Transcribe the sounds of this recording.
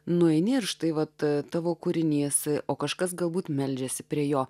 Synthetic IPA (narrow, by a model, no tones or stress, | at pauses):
nʊɛɪnʲɪɪrʃt̪ɐɪʋɐt̪t̪ɑːʋoːkuɾʲɪnʲiːsʔoːkɐʃkɐsɡɐlˠbuːt̪mʲɛlʲd͡ʒʲɛsʲɪpʲɾʲiɛjoː